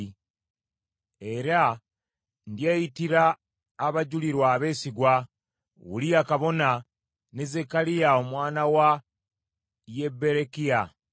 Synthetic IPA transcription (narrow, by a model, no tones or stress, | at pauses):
e̞ɾa | ndjejitiɾaː | βaɟuliɾwaːβe̞ːsiɡwa | wṵlijakaβo̞na | nezekalijao̞mwaːnawa | je̞be̞ɾekija